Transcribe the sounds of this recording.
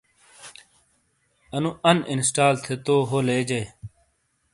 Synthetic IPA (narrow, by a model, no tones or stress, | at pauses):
ɐnũʔɐnɪ̰nsʈaːlt̪ʰet̪oːɦoːleːd͡ʑɐj